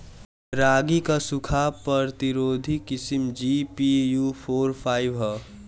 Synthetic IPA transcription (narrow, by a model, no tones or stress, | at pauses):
ɾaːɡikasukʰapəɾt̪iɾoːd̪ʱikɪsimd͡ʒipijupʰoːɾpʰaːɪbɦɔ